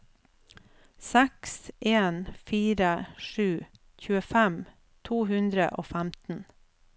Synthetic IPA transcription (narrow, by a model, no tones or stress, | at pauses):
sɛksʔeːnfiːɾəʂʉː | çʉːəfæm | t̪ʰuːhʉnd̪ɾə̰ʔoːfæmt̪n̩